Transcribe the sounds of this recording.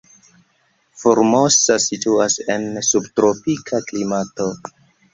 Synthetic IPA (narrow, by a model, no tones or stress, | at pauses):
foɾmo̞sasituase̞nsubtɾopikʰaklimato̞